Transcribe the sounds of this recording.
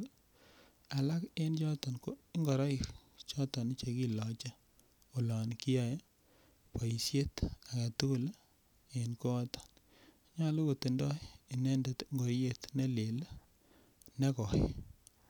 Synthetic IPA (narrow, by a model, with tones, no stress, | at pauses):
a˨la˦ke˦nt͡ʃɔ˦tɔ˨nko˦ŋɡɔ˨ɾɔ˦ɪ˨kt͡ʃɔ˦tɔ˨n˦t͡ʃe˨ki˦lɔ˨t͡ʃa˦ | o˨lɔ˨nki˦a˨j | pa˨i˨sje˦t̪a˨ka˨tu˦ku˦˨l | enko˦ɔ˦tɔ̥˨n˨ | ɲɔ˦˨lo˦ko˨te˨ndɔ˦i˨nɛ˦ndɛ˨t̪ŋɡo˨ɾje˦t̪nɛ˦le˨l | nɛ˦kɔ˨ɪ